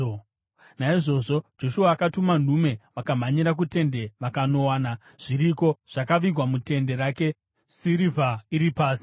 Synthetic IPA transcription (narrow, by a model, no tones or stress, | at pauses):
naiʐo̞ʐo̞d͡ʒo̞ʃuaːkatuman̤ume̞ʋakam̤aɲiɾak̬ute̞nde̞ʋakano̞waːna | ʐ̥iɾiko̞ʐ̥akaʋiɡʱwamute̞nde̞ɾaːke̞ | siɾivʱaiɾipaːsi̥